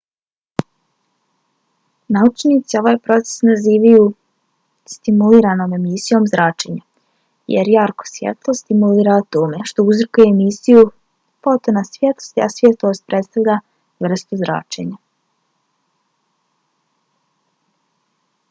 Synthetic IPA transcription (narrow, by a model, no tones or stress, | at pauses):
naut͡ʃnit̪sio̞ʋaːjpɾo̞t̪se̥snaziːʋaju | st̪imuliːɾano̞ːme̞misijo̞ːmzɾaːt͡ʃe̞ɲa | jḛɾjaɾko̥sʋjḛt̪lˠost̪imuliːɾat̪oːmeʃt̪ouzrkujeːmisiju | pot̪onasʋjet̪lˠost̪iasʋʲjet̪lˠoːst̪̚pɾet̪st̪aʋʎʲa | ʋr̩st̪uzɾa̰ːt͡ʃḛɲa